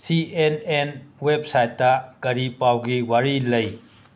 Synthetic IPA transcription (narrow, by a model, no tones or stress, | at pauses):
sienenwep̚sajtːɐɡ̥ɐɾipːawɡiwaɾilɐj